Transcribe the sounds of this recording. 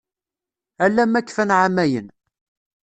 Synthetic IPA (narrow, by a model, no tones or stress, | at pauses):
ælːæmːækːfænʕamæjə̰n